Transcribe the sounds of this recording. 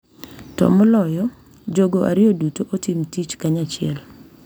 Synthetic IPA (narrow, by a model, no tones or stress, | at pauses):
tɔ̰mɔlɔjɔ | d͡ʒoɡoʔa̰ɾɪodutoʔotimtit͡ʃkaɲat͡ʃɪɛl